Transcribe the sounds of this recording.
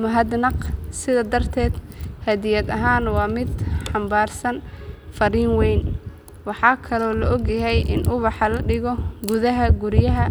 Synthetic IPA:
mʊɦɐd̪nɑqsɪðɐd̪ɐrt̪ʰɛːd̪hɐðɪjɐd̪ɐɦaːnwɑːmɪd̪ħɑmbaːrsɐnfɐɾiːŋwɛjn | wɑħɑːkʰɐlɔːlɐʔɔɡjɐɦɛjʔɪ̰nʔʊβɑħɑlɐɖɪɣɔɡʊðɐɦɐɡʊɾjɐɦɐ

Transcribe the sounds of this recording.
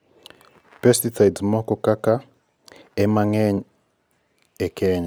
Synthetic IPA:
pɛstiθajdsmɔkɔkaka | ɛmaŋɛɲ | ɛkʰɛɲa

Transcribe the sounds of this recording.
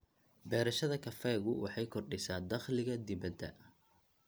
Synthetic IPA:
bɛːɾɐʃɐðɐkʰɐfɛːɣʊwʔɑ̰ħɑjkʰɔrɖɪsaːnd̪ɐχlɪɣɐd̪ɪbɐd̪ɐ̰

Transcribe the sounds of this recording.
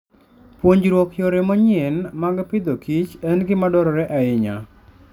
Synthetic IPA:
pwoɲd͡ʒɾwɔkjoɾɛmɔɲɛnmaɡpɪd̪okʰit͡ʃɛnɡɪmadɔɾɔɾɛʔaɪɲa̰

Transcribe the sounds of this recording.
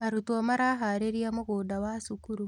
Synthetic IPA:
aɾutomaɾaɦaɾeɾiamoɣoːdawasukuɾu

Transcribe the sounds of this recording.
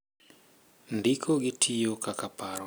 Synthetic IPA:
ndikʰoɡɪtʰijokakapaɾɔ

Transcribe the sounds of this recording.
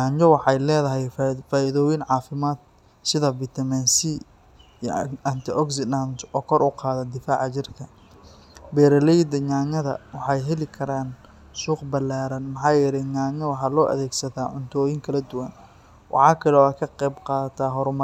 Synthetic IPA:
ɲaːɲd͡ʒɔwɑħɑjlɛːðɐɦɛjfaːʔɪðɔːwɪnʕɑːfɪmaːd̪̚ | sɪðɐbɪt̪ʰɐmɛnsi | ɐnt̪ʰɪɔksɪant̪ɔːkʰɔɾʔʊqɑːðɐd̪ɪfaːʕt͡ʃɪrkʰɐ | bɛːɾɐlɛjd̪ɐɲaːɲɐðɐ̰wɑħɑjɦɛlɪkʰɐɾaːn | suːqbɐlaːɾɐnmɑħɑːjɛɾɛɲaːɲɐwɑħɑːlɔːʔɐ̰ðɛːɡsɐt̪aːʕʊnt̪ʰɔːjɪŋkʰɐlɐd̪ʊwɐn | wʔɑ̰ħɑːkʰɐlɛɔːɐkʰɐqɛjbqɑːðɐt̪ʰaːɦɔɾmɐ

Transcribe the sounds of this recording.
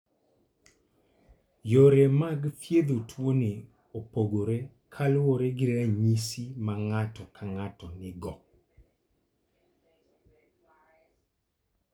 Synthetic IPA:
joɾemaɡfjed̪otwone | opoɡoɾe | kʰalwoɾeɡɪɾeaɲisimaŋatɔkʰaŋatɔnɪɡɔ

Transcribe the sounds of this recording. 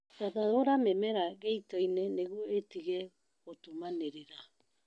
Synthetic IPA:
dadaɾoɾamemeɾaɡejtojneneɡuetiɡe | otumaneɾeɾa

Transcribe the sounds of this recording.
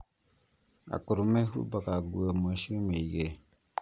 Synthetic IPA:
a̰kuɾumehṵbakaɡuəmoʃimeiɡe

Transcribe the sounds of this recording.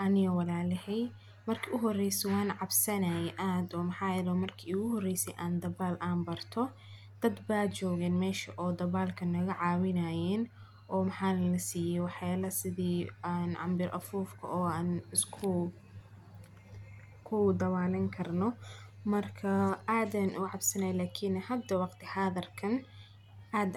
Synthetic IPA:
ʔɐnɪɣɐwɑlaːlɛhɛj | mɐrkʰiːʔʊɦɔrɛjsɛwɑːnʕɑbsɐnɐjɛʔaːd̪ɔːmɐħɑːjɛlɔːmɐrkʰiːʊɣʊɦɔrɛjsɛjʔaːnd̪ɐβaːlʔaːnbɐrt̪ʰɔ | d̪̥ɐd̪baːt͡ʃɔːɣɛːnmɛːʃɐʔɔːd̪ɐβaːlkʰɐnɐɣɐʕɑːwɪnɐːjɛːn | ʔɔːmɐħaːnlɐsiːjɛwɑħjaːlɐsɪðiːnʕɑ̰mbɪɾʔɐ̰fuːfkʰɐ̰ʔɔːaːnɪskʰʊ | kʰʊd̪ɐβaːlɐŋkʰɐrnɔmɐrkʰɐaːd̪aːnʔʊʕɑbsɐnajlaːkʰinhɐd̪ːɐwɑqt̪ʰɪhaðɐrkʰɐn | aːd̪

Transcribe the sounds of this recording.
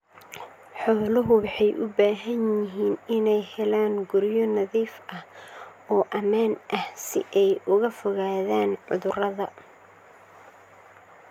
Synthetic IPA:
ħɔːlɐɦʊwɑħɑjʔʊbaːɦɐnjɪɦiːnɪnɛjhɛlaːŋɡʊɾjɔnɐðiːfʔɐhɔːʔɐmaːnʔɐhsɪ̰ʔɛjʔʊɣɐfɔɣaːðaːnʕʊ̰ðʊrɐðɐ

